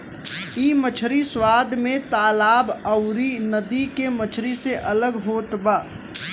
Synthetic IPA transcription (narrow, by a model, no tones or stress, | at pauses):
iːmət͡ʃʰɾiswaːd̪ʱmẽt̪aːlaːbəʊɾinəd̪ikemət͡ʃʰɾiseʔɐləɡɦoːt̪baː